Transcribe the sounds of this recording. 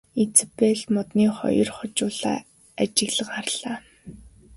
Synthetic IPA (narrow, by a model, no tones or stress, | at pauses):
it͡speɮmɔt̪niːχɔ̰jɞ̆rχɔt͡ɕʊːɮa̰ː | at͡ɕɪ̆ɣɮə̆ɢaːrɮaː